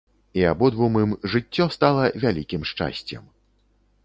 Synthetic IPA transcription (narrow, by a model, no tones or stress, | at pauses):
iabɔd̪vumɨmʐɨt͡sʲːɔst̪alˠɐvʲalʲikʲimʂt͡ʂa̰sʲt͡sʲɛ̰m